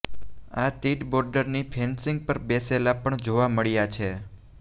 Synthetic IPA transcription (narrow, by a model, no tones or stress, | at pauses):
at̪iʈboɾɖəɾnipʰensɪŋɡ̚pəɾbeselapəɳd͡ʒoʋaməɭjat͡ʃʰe